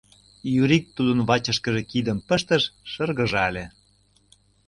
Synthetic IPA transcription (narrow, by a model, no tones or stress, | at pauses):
jyɾik̚t̪ːud̪ə̆nβɑt͡ɕə̆ʃkə̆ʒĕkid̪əmpə̆ʃt̪ə̆ʃʃɤrɣəʒɑlʲe